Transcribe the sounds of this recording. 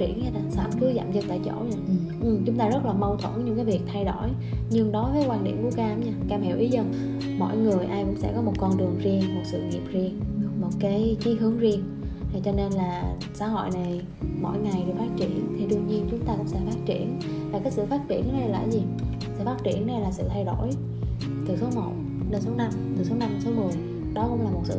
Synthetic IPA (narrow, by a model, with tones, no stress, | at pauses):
i˧˩ənɲaː˧t̪aː˨˩sa̰ː˧˩mkɨ˨˦za̰ː˧˨mzi˨˩k̚t̪a̰ː˧˨jt͡ɕo̰˧˩la˧˩ | ʔɨ˨˩t͡ɕʊ˨˦ŋ͡mt̪aː˧zə˦˥t̚laː˨˩mə˧wt̪ʰwə˧˩ɲɨ˧ŋkaː˨˦jvi˨˩ək̚t̪ʰa˧jɗo˧˩j | ɲɨ˧ŋɗɔ˨˦vəː˨˦jkwaː˧nɗḭ˧˩əmku˧˩əkːaː˧˨˦mɲaː˧kaː˧˩mhi˧˩wʔi˨˦zə̰˧˩n | mɔ̰˧˨jŋɨ˨˩əjʔaː˧jkʊ̰˧˥ŋ͡msɛ̰˧˥kɔ˨˦mo˨˩t̚kɔ˧nɗɨ˨˩əŋzi˧əŋmo˨˩t̚sɨ̰˧˨ŋḭ˨˩əp̚zi˧əŋ˧˦mo˨˩t̚kaː˨˦jt͡ɕi˨˦ɦɨ˨˦əŋzi˧ən˨˩ | t͡ɕɔ˧ne˧nlaː˨˩ | saː˧˩ɦo̰˧˨jna˨˩j | mɔ̰˧˨jŋa˨˩jɗɨ˨˩ək̚faː˦˥t̚t͡ɕi˧˩˨ənt̪ʰi˨˩ɗɨ˧˩tɲi˧ənt͡ɕʊ˨˦ŋ͡mt̪aː˧kʊ̰˧˥ŋ͡msɛ̰˧˥faː˦˥t̚t͡ɕḭ˧˩˨ənvaː˨˩kaː˨˦jsɨ̰˧˨faː˦˥t̚t͡ɕḭ˧˩ən˨˦na˨˧la̰ː˧˩zi˨˩ | sɨ̰˧˨˩faː˦˥t̚t͡ɕḭ˧˩ənːa˧jlaː˨˩sɨ̰˧˨t̪ʰa˧jɗo˧˩˨j | t̪ɨ˨˩so˨˦mə̰˧˨w | ɗe˧nso˨˦na˧m | t̪ɨ˨˩so˨˦na˧m˨˩so˨˦mɨ˨˩əj | ɗɔ˨˦kʊ̰˧˥wŋ͡mlaː˨˩mo˨˩t̚sɨ̰˧˨